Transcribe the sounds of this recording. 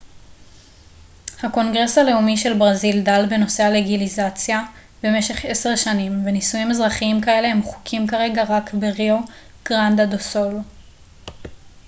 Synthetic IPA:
hako̞nɡʁe̞sale̞umiʃe̞lbʁazildalbe̞no̞se̞aleɡilizat͡sja | b̥e̞me̞ʃe̞χe̞se̞ʁʃanimvenisujimezʁaχiimkae̞le̞hemχu̥kʰimkaʁe̞ɡaʁakbeʁio | ɡ̥ʁand̪adosol

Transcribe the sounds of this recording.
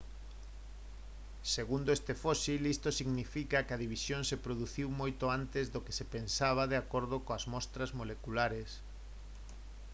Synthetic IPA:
seɣund̪oest̪efɔsilist̪osiɣnifikɐkɐðiβ̞isjoŋsepɾoðuθiwmojt̪oant̪ezðoke̥sepensaβ̞ɐðeakoɾðokoɐzmɔst̪ɾɐzmolekulaɾes

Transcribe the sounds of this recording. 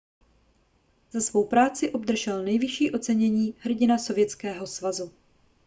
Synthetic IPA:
z̥asvo̞wpɾaːt͡sɪʔo̞bdr̩ʒɛlnɛjvɪʃiːʔo̞t͡sɛɲɛɲiːɦr̩ɟɪnaso̞vjɛt͡skɛːɦo̞svazu

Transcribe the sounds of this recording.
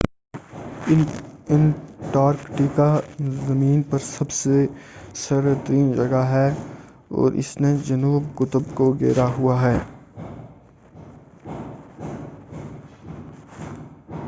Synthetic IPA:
ɪnʈaːɾkʈikazɐmiːnpɐɾsɐbsesɐɾt̪əɾiːnd͡ʒɐɡaɦɛː | ɔ̰ːɾʔɪ̰sned͡ʒɐnuːbkʊt̪ʊbkoɡeːɾaɦuaɦɛː

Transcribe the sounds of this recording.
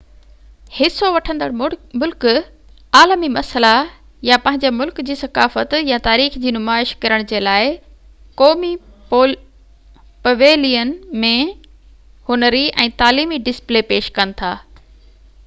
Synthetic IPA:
hɪsoʋɐʈʰə̃nd̪əɽmʊlk | aːlmimɐsəla | japɐ̃ɦɪ̃ɲd͡ʑamʊlkd͡ʑiːsɐkaːfət̪jat̪aːɾiːxd͡ʑiːnʊmaːɪʃkɐɾəɽ̃d͡ʑeːlaːɪ | koːmi | pɐʋeːlijənmẽ | hʊnəɾiʔɛ̃ːt̪aːliːmiɖɪsplepeːʃkɐnɪ̆t̪ʰaː

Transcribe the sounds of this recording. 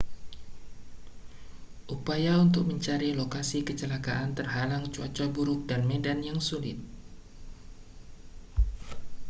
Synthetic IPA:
ʔupajaunt̪ʊk̚məɲt͡ʃaɾilokasikət͡ʃəlakaʔant̪ərɦalaŋt͡ʃuat͡ʃabuɾʊk̚danmedanjaŋsulɪ̰t̪̚

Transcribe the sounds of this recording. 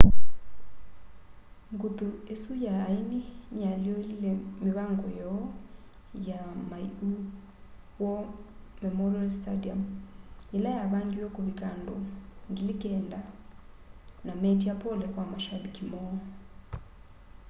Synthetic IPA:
ŋɡut̪uesujaːiniɲaliolilɛmiβaŋɡɔjɔ | jamaḭu | wɔmɛmɔrɔlstadiamelajaβaŋɡiwɔkoβikandoŋɡilikɛnda | namɛtiapɔlɛkwamaʃabikimɔ

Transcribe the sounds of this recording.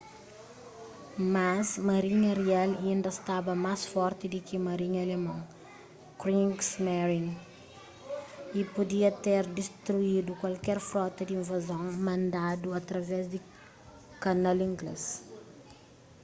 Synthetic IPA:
mɐsmɐɾiɲɐɾialĩnd̪ɐst̪abɐmasfɔɾt̪id̪ikimɐɾiɲɐlemɐ̃w | kɾĩŋɡsmaɾin | ipud̪iɐt̪eɾd̪ist̪ɾuid̪ukwalkɛɾfɾɔt̪ɐd̪iĩnvɐzõwmɐ̃nd̪ad̪uɐt̪ɾɐvɛzd̪i | kɐnɐlĩŋɡlɛ̰s

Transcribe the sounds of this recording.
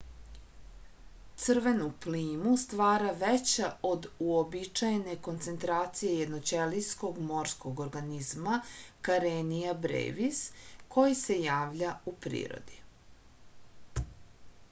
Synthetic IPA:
t̪sɨr̩ʋe̞nupliːmust̪ʋaːɾaʋet͡ɕao̞d̪uobit͡ʃajne̞ko̞nt̪se̞nt̪ɾaːt̪sije̞jed̪not͡ɕelisko̞ɡmo̞ɾsko̞ɡo̞ɾɡanizmakaɾenijabɾḛʋiskʰo̞jise̞jaːʋʎaupɾḭːɾo̰d̪i

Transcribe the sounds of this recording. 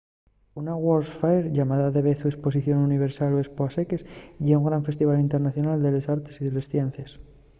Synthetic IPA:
unaɣwolsfaeɾʝamaðaðe̞βeθuespo̞s̬iθjo̞nuniβ̞e̞ɾsaloespoasekesʝeuŋɡɾaɱfe̞st̪iβalint̪e̞ɾnaθjo̞nald̪e̞lesaɾt̪e̥siðe̞le̞sθjen̟θjes

